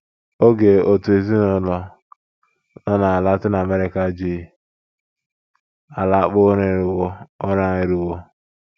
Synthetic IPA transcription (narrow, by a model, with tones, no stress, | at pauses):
o˦ɡe˨o˨tu˨e˨zi˦nʊ˨lɔ˦ | nɔ˦na˨a˨la˦tɪ˦na˨a˨me˦ɾe˨ka˦d͡ʒi˦˨ | a˨la˦k͡pʊ˦ɾe˨ɾwo˦ɔ˦ɾa˨ɪ˨ɾi˨wo˦